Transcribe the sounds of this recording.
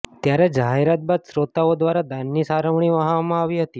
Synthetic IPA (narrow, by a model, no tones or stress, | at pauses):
t̪jaɾɛd͡ʒaɦeɾat̪̚bad̪sɾot̪aʋod̪ʋaɾad̪anːiːsaɾəʋɳiːʋəɦaʋmãaʋiːɦət̪iː